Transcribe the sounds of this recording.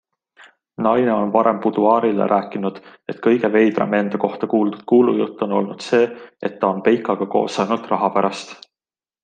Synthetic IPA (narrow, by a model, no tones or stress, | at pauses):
nɑjne̞o̞nvɑɾe̞mput̪uɑːɾilḛɾʔæːkːinud̪̥e̞t̪kɤ̞jɡ̥e̞ve̞jbrɑ̰mend̪̥ɑko̞ht̪ɑkuːld̪ud̪̥̚kuːlṵjṵt̪ˑːo̞no̞̰lnud̪̥se̞ːe̞t̪ːɑo̞npe̞jkːˑɑɡ̥ɑko̞̰ːsːɑjnult̪rɑɦɑpæɾʔɑst̪